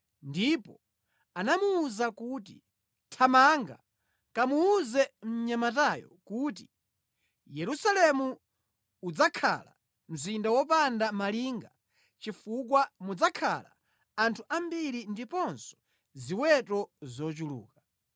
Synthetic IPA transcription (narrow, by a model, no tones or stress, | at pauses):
ndipɔ | anamuːzakuːt̬i | tʰamaŋɡa̰ | kamuːzɛm̩ɲamatajɔ̰kut̬i | jɛɾusalɛmu | ud͡zakʰa̰la | m̩zindawɔp̬andamaliŋɡa | t͡ʃifuk̬wamud͡zakʰa̰la̰ | antʰuʔambiɾindipɔnsɔ̥ | ziwɛtɔzɔt͡ʃulṵːka